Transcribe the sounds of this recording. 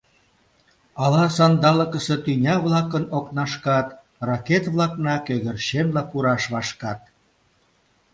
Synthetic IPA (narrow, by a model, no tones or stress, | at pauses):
ɑlɑsɑnd̪ɑləkəset̪ynʲɑβlɑkənoknɑʃkɑt̪ | rɑket̪βlɑknɑkøɣə̆rʃenlɑpuɾɑʃβɑʃkɑt̪̚